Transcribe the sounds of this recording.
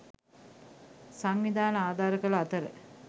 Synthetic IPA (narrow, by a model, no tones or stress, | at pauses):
saŋʋid̪aːnəaːd̪ʱaːɾəkələat̪əɾə̰